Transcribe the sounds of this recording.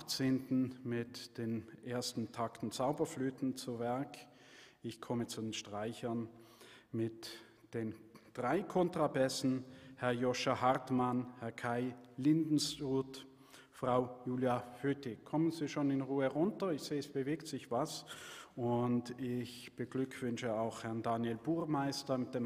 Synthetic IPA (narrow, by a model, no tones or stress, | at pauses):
t͡seːntn̩mɪtd̥eːnʔeːɐstn̩tʰaktn̩t͡saʊbɐflyːtn̩t͡suvɛɐk | ɪçkʰɔmət͡sudeːnʃtʁ̥aɪçɐn | mɪt | d̥eːnd̥ʁaɪkʰɔntʁ̥abɛsn̩hɛɐjɔʃɐhaʁtmanhɛɐkʰaɪlɪndn̩suːt | fʁ̥aʊjuːljaføːtɪkʰɔmənziːʃoːnɪnʁuːəʁʊntɐɪçz̥eːɛsb̥əveːktz̥ɪçv̥asʔʊntɪçb̥əɡlʏkʰv̥ʏnʃəaʊxhɛɐndanjɛlbuːʁmaɪstɐmɪt̚d̥eːm